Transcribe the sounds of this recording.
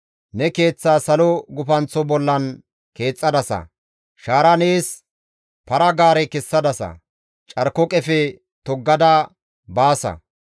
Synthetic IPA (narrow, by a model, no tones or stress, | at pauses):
nɛke̞ːt͡sːaːsɐlɔɡʊpɐnt͡sːɔbɔlːɐn | ke̞ːt͡sʼːɐd̪ɐsɐ̰ | ʃaːɾɐneːs | pɐɾɐɡaːɾɛkɛsːɐd̪ɐsɐ̰ | t͡ʃʼɐɾkɔkʼɛfɛ | t̪ɔɡːɐd̪ɐ | baːsɐ̰